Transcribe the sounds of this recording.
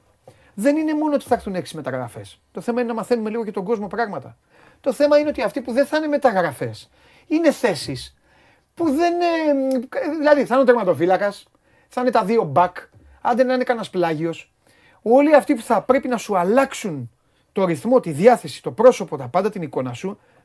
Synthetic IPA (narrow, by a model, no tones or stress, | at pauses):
ðe̞nine̞mo̞noot̪i̥θɐɾθuneksizme̞t̪ɐɣɾɐ̰fe̞̰s | t̪o̞θe̞mɐinenɐmɐθe̞nume̞liɣocet̪o̞ɡo̞zmo̞pɾɐɣmɐt̪ɐ | t̪o̞θe̞mɐineot̪iɐft̪ipuðenθɐne̞me̞t̪ɐɣɾɐfe̞s | ine̞θe̞sis | puðe̞ne | ðilɐðiθɐnt̪eɾmɐt̪o̞filɐkɐs | θɐine̞t̪ɐðio̞bɐk | ɐnd̪enɐnekɐnɐsplɐʝio̞s | o̞liɐft̪ipu̥θɐpɾe̞pinɐsuɐlɐksun | t̪o̞ɾiθmo̞t̪iðjɐθe̞si̥t̪o̞pɾo̞so̞po̞t̪ɐpɐnd̪ɐt̪iniko̞nɐsu